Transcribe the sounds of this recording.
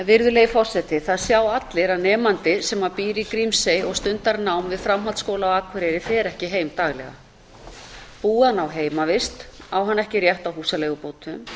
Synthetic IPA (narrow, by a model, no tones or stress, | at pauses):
vɪɾðʏleːjɪfɔr̥sɛt̪ɪθaðsjaːwat̪lɪɾaðnɛːmant̪ɪsɛmapiːɾikɾimsejɔɣst̪ʏnt̪aɾnawmvɪðfɾamɦalt̪skoːwlawaːkʰvɛɾɛɾɪθɛɛɾɛhcɪɦeːjmt̪aːɣlɛ̰ɣa̰ | puːanawɦeːjmavɪst̪awɦanːɛhcɪrjɛht̪awhuːsaleːɣʏpoːwt̪ʏm